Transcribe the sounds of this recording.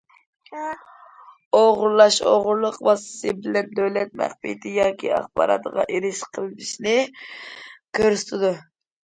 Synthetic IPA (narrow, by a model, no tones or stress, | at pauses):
oʁʊɾlˠɑʃo̰ʁʊɾlˠəqvɑsɨ̥sɨbɪlɛnd̪øwlɛt̪̚mæ̰χpḭt̪ʰɪjɑːkʲʰḭɑ̰χpɑ̰ɾɑ̰t̪ʁɑ̰ʔiɾɪʃqʰəlˠd̪iʃnɪ | kʰɨɾst̪ʰɨd̪ʊ